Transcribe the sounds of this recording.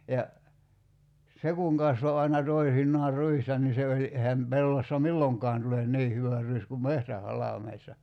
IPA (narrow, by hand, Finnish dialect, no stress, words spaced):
jɑ se kuŋ kɑsʋo ɑinɑ toisinːɑːr ruistɑ ni se olʲi ehæm pelːosːɑ milːoŋkˑɑːn tulen niː hyʋæ ruis kum mehtæhɑlɑˑmeisːɑ